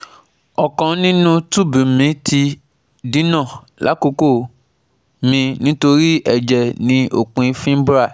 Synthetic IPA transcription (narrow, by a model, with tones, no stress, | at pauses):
ɔ˨kã˨nĩ˦nũ˦tu˦˨bĩ˨mĩ˨˦tʰi˧ | dĩ˨˦nã˦˨ | la˨˦ko˧ko˦˨ | mĩ˧nĩ˦to˧ɾi˦ɛ˦˨d͡ʒɛ˨nĩ˧˦ʔo˨k͡pũ˨˧i˧˦fĩ˦bɾa˦˨